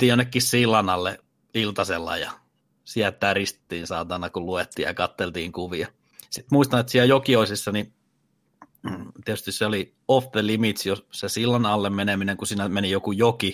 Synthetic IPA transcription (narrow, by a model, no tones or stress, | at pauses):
t̪iːjonːekːissilːɑnɑlːe | ilt̪ɑselːɑ̰jɑ̰ | siæt̪ːˑæːrist̪e̥t̪ːiːnsɑːt̪ɑnɑkuluet̪ːiːjjɑ̰kɑt̪ːelt̪iːŋkuʋiɑ | sit̪muist̪ɑnet̪siæljokioisisːɑni | t̪iɛt̪yst̪isseoli | ofðelimit̪sjosesilːɑnɑlːemmenemineŋkusiːnæmenijokujoki